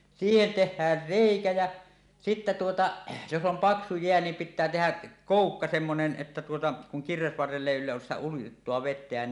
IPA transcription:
siːhen tehˑæːr reˑikæ jæ sitːæ tuotɑ jos om pɑksu jeæ niːm pitˑæː tehæ koˑukːɑ semːonen ʔetːæ tuotɑ kuŋ kirʋesʋɑrːelː eˑi ylːæs sitæ uitːoɑ ʋetˑeæn

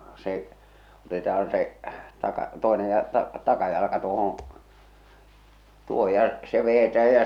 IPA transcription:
se otetɑhɑn se tɑkɑ toenej jɑ tɑ tɑkɑjɑlɑkɑ tuohõː tuoho jɑ se ʋejetæːj jɑ

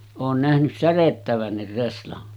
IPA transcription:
oːn næhnys særetːæʋænːir reslɑn

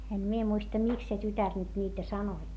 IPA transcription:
em mie muistɑ miks se tytær nyt niːtæ sɑnoi

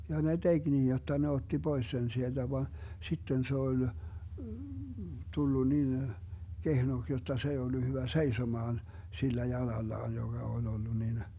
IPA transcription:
jɑ ne d̥eɡ̊ niːj jotːɑ ne otːi b̥ois sen sield̥æ ʋɑn sitːen se ol tulːu nin kehnoks jotːɑ se ei olːu hyʋæ seisomɑːn silːæ jɑlɑlːɑːn joɡ̊ɑ ol olːu nin

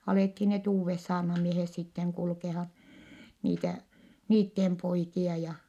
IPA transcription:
ɑleˑthi net uːʋːes sɑːrnɑmiehes sitːeŋ kulkehɑn̞ niːtæ niːtːem poikiɑ jɑ

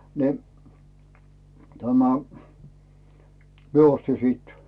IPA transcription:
ni tæmæ mie osti siːt

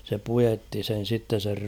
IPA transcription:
se pujetːi sen̞ sitːen̞ ser

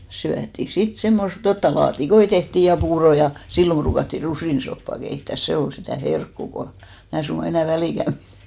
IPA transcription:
syætːi sit semːost jotːɑ lɑːtikoi tehtiˑ jɑ puːroˑ jɑ silːom b̥ruːkɑtːi rusiˑnsopːɑˑ keitːæˑs se ol sitæˑ herkːuˑ ko mæː suŋɡ̊ɑ enæˑ ʋæliˑkæm b̥iræ̥

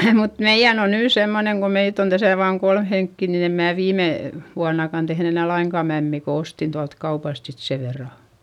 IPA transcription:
mut meij̆æn on nyː semːoneŋ ko meit on tæsæ ʋɑːŋ kolm heŋkːi nin em mæː ʋiːme ʋuɑnːɑkɑn tehn enæˑ lɑiŋkɑˑ mæmːiˑ ko ostin tuɑlt kɑupɑst sit se ʋerːɑ

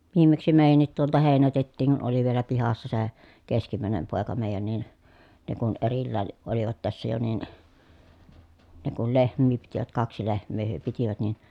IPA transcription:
ʋiːmːeksi meˑi̯jænːit tuoltɑ heˑinætetːiːŋ kun oli ʋielæ pihɑsːɑ se keskimæˑenem poˑekɑ meˑi̯jæn nin ne kun erilːæːn̞ ʔoliʋɑt tæsːæ jo nin ne kul lehmˑiː pitiʋæt kɑksi lehmˑeː hyø pitiʋæt nin

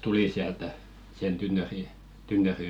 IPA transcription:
tuli siæltæ sen tynːøri tynːøri

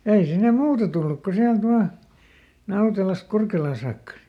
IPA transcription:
jɑ ei sinːe muːtɑ tulːuk ko siælt ʋɑˑ nɑutelɑst̆ kurkelɑː sɑːkːɑ

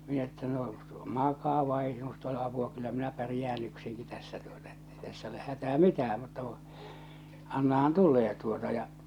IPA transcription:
minæ etːæ no mɑkɑː ʋɑi ei sinust ole ɑpuɑ kylːæ minæ pærĭjæːn yksiŋki tæsːæ tuotɑ etːei tæsː oleh hætæː mitæː mutːɑ kũː ɑnːɑhɑn tulˑeː tuotɑ jɑ

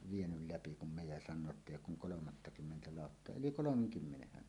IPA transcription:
ʋienyl læpi kum me jɑ sɑnˑoː etː eˑijˑ oːk kuŋ kolomɑtːɑkymːentæ lɑˑotːoɑ yli kolomeŋkymːenehːæn

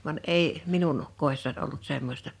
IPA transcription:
ʋɑn ei minun koˑesːɑn ʔolːut semːostɑ

